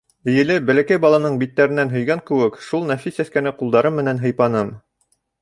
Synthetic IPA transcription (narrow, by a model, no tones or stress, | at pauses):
ɘ̆jɘ̆lɘbælækæjbɑlˠɑnɤɴbit̪ːæɾɘ̆nːænɦɵ̆jɡæŋkɘ̆wɘkʃulˠnæfisæskænɘqulˠd̪ɑɾɤmːɘ̆nænɦɤ̆jpɑnɤm